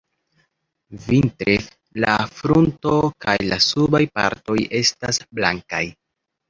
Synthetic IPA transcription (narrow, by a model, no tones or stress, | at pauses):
vintɾef | lafɾunto̞kajlasubajpa̰ɾto̞je̞stasblaŋka̰j